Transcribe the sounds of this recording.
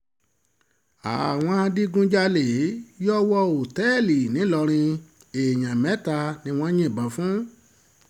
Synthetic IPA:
a̰˨w̃ɔ̃˧a˧di˦ɡũ˧d͡ʒa˧le˨˦jɔ˦wɔ˦o˨tɛ˦˨li˨nĩ˨˦lɔ˧ɾ̃ĩ˧ | e˨jã˨mɛ̃˨˦ta˧nĩ˧w̃ɔ̃˦ɲ̃ĩ˦˨bã˨fũ˦

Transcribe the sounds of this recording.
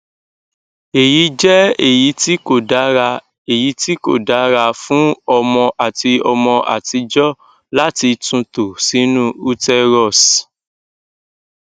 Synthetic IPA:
e˨ji˨˦d͡ʒɛ˦e˦˨ji˨˦ti˦ko˦˨da˨˦ɾa˧ | e˨ji˨˦ti˦ko̰˦˨da˨˦ɾa˧fũ˦ɔ˧mɔ̃˧ʔa˨ti˧ɔ˧mɔ̃˧ʔa̰˨ti˧d͡ʒɔ˦ | la˦ti˧tũ˧to˨sĩ˨˦nũ˦u˧tɛ˧ɾɔ˦˨s

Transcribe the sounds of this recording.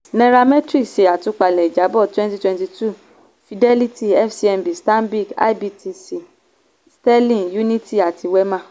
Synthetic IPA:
nɛ̃˧ɾa˧mɛ̃˦tɾi˦ʃe˨a˨tũ˧k͡pa˨lɛ˨i˨d͡ʒa˨˦bɔ˦˨twɛ̃˦nti˧twɛ̃˧nti˧tu˦˨ | fi˨dɛ˦li˦ti˦ɛ˦fsi˦ɛ˧mbi˨stã˦mbi˦˨ka̰˦i˦bi˧ti˧si˨ | stɛ˦lĩ˦˨ju˦nĩ˦ti˦a˨ti˧wɛ˦mã˦˨

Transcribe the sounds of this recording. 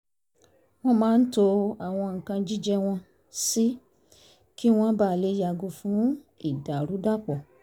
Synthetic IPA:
w̃ɔ̃˦mãː˨˦n̩˦to˧a˦˨w̃ɔ̃˧ŋ̩˨kã˧d͡ʒi˦d͡ʒɛ˦w̃ɔ̃˧ | si˦ | ki˦w̃ɔ̃˦ba˦˨le˦ja˧˨ɡu˧fũ˨˦ | i˦˨da˨ɾu˨˦da˦k͡pɔ˨

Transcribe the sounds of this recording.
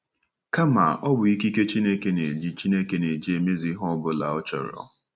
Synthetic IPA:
ka˦ma̰˨ɔ˦bʊ˨i˦ki˦ke˦t͡ʃi˦ne˦ke˦ne˨d͡ʒi˦t͡ʃi˦ne˦ke˨ne˨d͡ʒi˦e˨me˦zi˦ɦɔ˦bʊ˨˦la̰˨ɔ˦t͡ʃɔ̰˨ɾɔ̰˦

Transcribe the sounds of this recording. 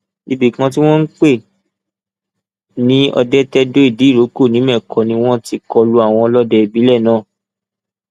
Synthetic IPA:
i˧bi˨kã˧t̬i˦w̃ɔ̃˦n̩˦k͡pe˦˨ | nĩ˨˦ɔ̰˧dɛ˦tɛ˦do˦i˦˨di˨˦˨ɾo˨˦ko˦˨nĩ˨˦mɛ˦˨kʰɔ˨nĩ˧˦w̃ɔ̃˦ti˧kɔ˧lu˧a˦˨w̃ɔ̃˧lɔ˦dɛ˧i˨bi˨˦lɛ˦˨nãː˦˨

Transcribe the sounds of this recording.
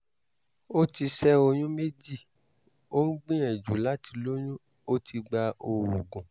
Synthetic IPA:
o˦ti˧sɛ˦o˧j̃ũ˦me˦d͡ʒi˦˨ | o˦n̩˦ɡ͡bĩ˦ɛ̃˨d͡ʒṵ˨˦la˦ti˧lo˦j̃ũ˦ | o˦tʰi˧ɡ͡ba˧o˧˨wu˨ɡũ˨

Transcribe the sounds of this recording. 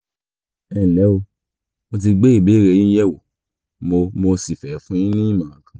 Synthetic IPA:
ɛ˨lɛ˨˦o˧ | mo˧t̬i˧ɡ͡be˦i˦˨be˨˦˨ɾe˧˨jĩ˦jɛ˦˨wo˨ | mo˧mo˧si˨fɛ˨˦fũ˦jĩ˦nĩ˦i˦˨mã˨ã˨kã˨

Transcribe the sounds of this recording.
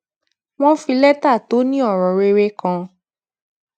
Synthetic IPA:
w̃ɔ̃˦fi˧lɛ˦ta˦˨to˨˦nĩ˦ɔ˦˨ɾɔ˨ɾe˧ɾe˦kã˧

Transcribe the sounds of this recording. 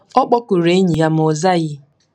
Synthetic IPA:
ɔ˦k͡pɔ˦kʊ˨ɾe˦ɲi˨ja˦m̩˨ɔ˨za˦ɣɪ˦

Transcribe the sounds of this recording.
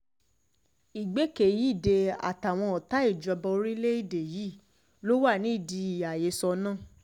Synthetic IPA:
i˨ɡ͡be˨˦ke˨ji˦˨de˧a̰˨ta˨w̃ɔ̃˧ɔ˨ta˦i˦˨d͡ʒɔ˧bɔ˧˦ɾi˦le˦i˦˨de˨ji˨˦˨ | lo˦wa˦˨nĩ˨˦i˦˨di˧i˨ja˨je˨˦sɔ˧nã˦˨

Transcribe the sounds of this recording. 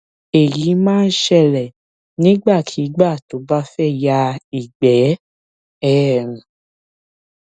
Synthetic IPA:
e˨ji˨˦mãː˦˧n̩˦ʃɛ˧˨lɛ˨ | nĩ˦ɡ͡ba˦˨tʰi˨˦ɡ͡ba˦˨to˨˦ba˦fɛ˦˨ja˧˦i˦˨ɡ͡bɛ˨˦ | ɛ˦˨ɾũ˨

